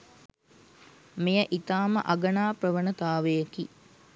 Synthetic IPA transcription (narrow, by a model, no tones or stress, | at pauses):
mejəʔit̪aːmə̰ʔaɡənaːprəʋənət̪aːʋəjəki